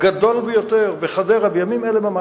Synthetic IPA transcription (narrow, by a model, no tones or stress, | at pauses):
ɡad̪o̞lbejot̪eʁbeχad̪eʁabejamimelemama